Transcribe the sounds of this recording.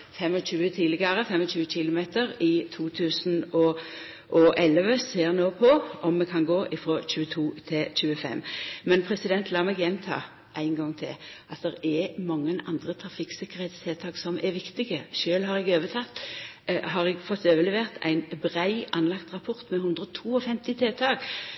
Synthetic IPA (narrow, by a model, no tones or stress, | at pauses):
fɛmɔɕʉːət̪ʰiːlɪɡəʁəfɛmɔɕʉːəçɪlʊmeːt̪əʁɪt̪ʰuːt̪ʰʉːsnɔ | ʔɔʔɛlʋəseːʁnoːpʰɔʔɔmːɛkʰɑnɡoːʔɪfʁoːçʉːət̪ʰuːt̪ʰɪɕʉːəfɛ̰mːmɛnpʰʁɛsɪd̪ɛnt̪ʰlɑːmɛɡjɛmt̪ʰɑ̰ː | ʔæɪnŋɡɑŋːt̪ʰɪ̰lʔɑt̪̚d̪ɛʁɛmɑŋːənɑ̰nd̪ʁət̪ʰʁɑfɪksɪkəʁhɛɪt̪st̪ʰeːt̪ʰɑːksɔmʔæʋɪkt̪ɪɡəʃøːlhɑʁɛɡøːʋət̪ʰɑt̪ː | ɦɑʁɛɡfɔt̪ːøːʋəlɛʋeːʁt̪ʰæ̰ɪnbʁæɪʔɑnlɑkt̪ʁɑpʰɔʁt̪mɛhʉnd̪ʁɔt̪ʰuːɔfɛmt̪ɪt̪ʰeːt̪ʰɑːɡ